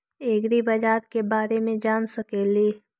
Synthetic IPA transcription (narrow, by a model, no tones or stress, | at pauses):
eːɡɾibɐd͡ʒaːɾkebaːɾemẽd͡ʒaːnsəkeːliː